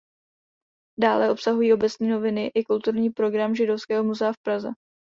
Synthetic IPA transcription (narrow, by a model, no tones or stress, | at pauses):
daːlɛʔo̞psaɦujiːʔo̞bɛt͡sɲiːno̞vɪnɪʔɪkult̪uɾɲiːpɾo̞ɡɾamʒɪdo̞fskɛːɦo̞muzɛafpɾazɛ̰